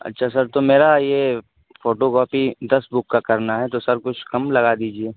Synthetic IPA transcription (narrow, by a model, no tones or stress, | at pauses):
ɐ̰tːʃʰasɐɾt̪omeːɾaje | foːʈokɔːpid̪ɐsbʊkːakɐɾnaɦɛt̪osɐɾkʊt͡ʃʰkɐmlɐɣad̪iːd͡ʒieː